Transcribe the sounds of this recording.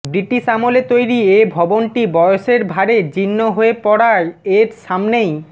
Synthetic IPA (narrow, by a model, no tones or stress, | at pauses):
bɾiʈiʃamolet̪ojɾiebʱɔbonʈibɔjoʃeɾbʱaɾed͡ʑinːoɦoepɔɽaɾeɾʃamnej